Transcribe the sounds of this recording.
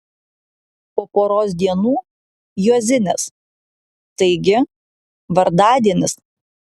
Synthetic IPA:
poːpoːɾoːsd̪ʲiɛnuː | juɔzʲɪnʲɛs | t̪ɐɪɡʲɪ | ʋɐɾd̪ɑːd̪ʲiɛnʲɪs

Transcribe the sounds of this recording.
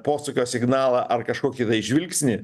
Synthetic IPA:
poːsʊkʲoːsʲɪɡnɑːlˠɑːʔɐrkɐʃkoːkʲit̪ɐɪɪʒʲʋʲɪlʲksʲnʲɪ

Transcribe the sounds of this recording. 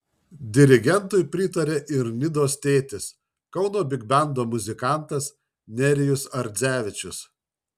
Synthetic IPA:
d̪ʲɪɾʲɪɡʲɛnt̪ʊɪpʲɾʲɪt̪ɐɾʲeːʔɪɾnʲɪd̪oːst̪ʲeːt̪ʲɪs | kɒʊnoːbʲɪɡbʲɛnd̪oːmʊzʲɪkɑˑnt̪ɐs | nʲɛɾʲɪjʊsɐɾʲd̪zʲæːʋʲɪt͡ʃʲʊs

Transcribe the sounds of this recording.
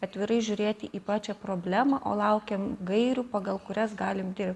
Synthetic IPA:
ɐt̪ʲʋʲɪɾɐɪʒʲʊɾʲeːt̪ʲɪʔiːpɑːt͡ʃʲɛpɾoːbʲlʲæːmɐʔo̰ːlˠɐʊkʲɛmɡɐɪɾʲuːpɐɡɐlˠkʊɾʲɛsɡɑːlʲɪmd̪ʲɪrʲp̚ʲttʲ

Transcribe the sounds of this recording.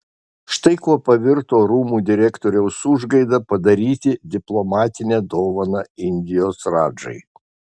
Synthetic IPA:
ʃt̪ɐɪkuɔpɐʋʲɪɾt̪oːɾuːmuːd̪ʲɪɾʲækt̪oːɾʲɛʊsʊʒɡɐɪd̪ɐpɐd̪ɐɾʲiːt̪ʲɪd̪ʲɪplˠɔmɑːt̪ʲɪnʲɛd̪oːʋɐnɑɪnʲd̪ʲɪjoːsɾɑːd͡ʒɐ̰ɪ

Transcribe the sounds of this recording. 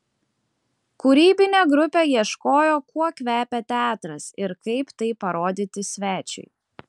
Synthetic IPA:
kuɾʲiːbʲɪnʲeːɡɾʊpʲejiɛʃkoːjoːkuɔkʲʋʲæːpʲɛt̪ʲæːt̪ɾɐsɪɾkɐɪpt̪ɐɪpɐɾoːd̪ʲit̪ʲɪsʲʋʲæːt͡ʃʲɛ̰ɪ

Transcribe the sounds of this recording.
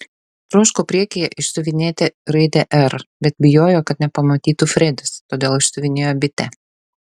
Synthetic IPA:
t̪ɾʊʃkopʲɾʲiɛkʲijɛʔɪʃsʊʋʲɪnʲeːt̪ʲeɾɐɪd̪ʲɛʔɛɾbʲɛt̪̚bʲɪjoːjoːkɐt̪nʲɛpɐmɐt̪ʲiːt̪ufʲɾʲɛd̪ʲʊst̪oːd̪ʲeːlˠɪʃsʊʋʲɪnʲeːjoːbʲɪt̪ʲɛ

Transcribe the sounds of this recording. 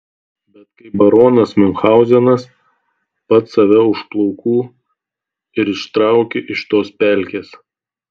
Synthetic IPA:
bʲɛt̪kɐɪbɐɾoːnɐsmʲɪŋxɑˑʊzʲɛnɐs | pɐt̪sɐʋʲɛʊʃplˠɔʊkʰuː | ɪɾɪʃt̪ɾɑˑʊkʲeʔɪʃt̪oːspʲælʲkʲeːs

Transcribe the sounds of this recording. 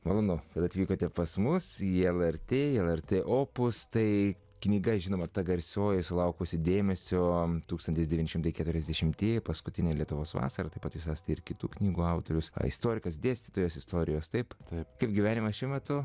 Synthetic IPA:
mɐlˠoːnʊkɐt̪ɐt̪ʲʋʲiːkoːt̪ʲɛpɐsmʊsiɛlˠɛɾʲt̪ʲeːɛlˠɛɾʲt̪ʲeːʔoːpʊst̪ɐɪ | knʲiːɡɐʒʲɪnoːmɐt̪ɐɡɐɾʲsʲoːjɛsʊlˠɐʊkoːsʲɪd̪ʲeːmʲɛsʲot̪uːkst̪ɐnʲt̪ʲɪsd̪ʲɛʋʲinʲɪʃɪmt̪ɐɪkʲæːt̪ʊɾʲɛzʲd̪ʲɛʃʲɪmt̪ʲeːjpɐskʊt̪ʲɪnʲeːlʲiɛt̪ʊʋoːsʋɑ̰ːsɐɾɐt̪ɐɪpɐt̪ʋʲɪsɐst̪ʲɐɪɾkʲɪt̪uːknʲiːɡuːɐʊt̪oːɾʲʊsɪ̰st̪oːɾʲɪkɐsd̪ʲeːsʲt̪ʲɪt̪oːjoːsɪst̪oːɾʲɪjoːst̪ɐɪpt̪ɐɪpkɐɪp̚ɡʲiʋʲæːnʲɪmɐsʃʲɪmʲɛt̪ʊ

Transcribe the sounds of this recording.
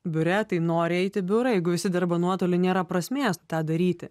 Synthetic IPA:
bʲʊɾʲɛt̪ɐɪnoːɾʲɪɛɪt̪ʲɪbʲʊɾɐjɛɪɡʊʋʲɪsʲɪd̪ʲɐɾbɐnuɔt̪oːlʲɪnʲeːɾɐpɾɐsʲmʲeːstt̪ɑːd̪ɐɾʲiːt̪ʲɪ

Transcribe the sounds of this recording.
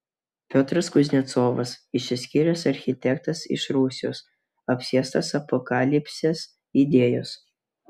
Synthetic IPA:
pʲoːt̪ɾɐskʊzʲnʲɛt̪soːʋɐsɪʃʲsʲɪsʲkʲiɾʲɛsɐɾʲxʲɪt̪ʲɛk̚t̪ɐsɪ̰ʃɾuːsʲɪjo̰ːs | ɐpʲsʲiɛst̪ɐsɐpɔkɑlʲɪpʲsʲes | id̪ʲeːjoːs

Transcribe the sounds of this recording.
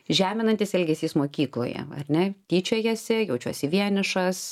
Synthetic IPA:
ʒʲæːmʲɪnɐnʲt̪ʲɪsɛlʲɡʲɛsʲiːsmoːkʲiːklˠoːjɛ̰ɐ̰ɾʲnʲɛt̪ʲiːt͡ʃʲoːjɛsʲɪjɛʊt͡ʃʲuɔsʲɪʋʲiɛnʲɪʃɐs

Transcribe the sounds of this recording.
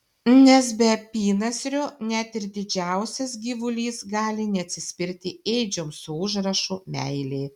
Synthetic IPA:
nʲɛs̬bʲɛɐpʲiːnɐsʲɾʲʊnʲɛt̪ɪɾd̪ʲɪd͡ʒʲæˑʊsʲɛsɡʲiːʋʊlʲiːsɡɑːlʲɪnʲɛɐt̪ʲsʲɪsʲpʲɪɾʲt̪ʲɪeɪd͡ʒʲomsʊʊʒɾɐʃumʲɛ̰ɪlʲeː

